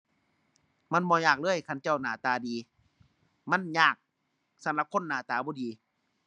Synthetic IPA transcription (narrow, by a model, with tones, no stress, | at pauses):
ma˧˥˨nbɔː˧˦jaː˧˨˩k̚lɤː˧˥˨jkʰa˧˥˨nt͡ɕa˧˩wnaː˨˧˩t̪aː˨˧diː˨˧ | ma˧˥˨njaː˧˨˩k̚ | sa˧˦mla˧˦p̚kʰo˧˥˨nːaː˨˧˦t̪aː˨˧bɔː˧˦diː˨˧˦